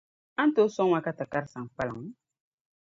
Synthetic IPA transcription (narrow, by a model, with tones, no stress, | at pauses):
ã˦n̩˦to˦sɔ˦ŋ˦a˦ka˦ta˨ka˦ɾsã˨ŋ˨k͡pa˦la̰˨ŋ˨˦